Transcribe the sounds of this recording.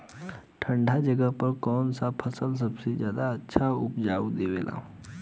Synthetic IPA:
ʈʰə̃ɳɖʱad͡ʒəɡəɦpəɾkɔːnsapʰəsəls̬əbsed͡ʒjaːd̪aətːʃʰaʊpd͡ʒaːud̪eːʋeːlʔa̰ː

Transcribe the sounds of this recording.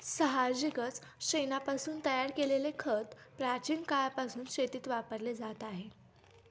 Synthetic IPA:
səɦad͡ʑiɡət͡s | ɕenapasuːnt̪əjaɾkelelekʰət̪pɾat͡ɕiːnkaɭapasuːnɕet̪iːt̪ʋapəɾled͡zat̪aɦe

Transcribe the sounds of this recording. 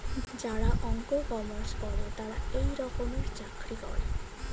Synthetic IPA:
d͡ʒaɽaʔɔŋkokɔmɔɾskɔɾet̪aɽaejɾɔkɔmeɾd͡ʒakɾikɔ̰ɾḛ

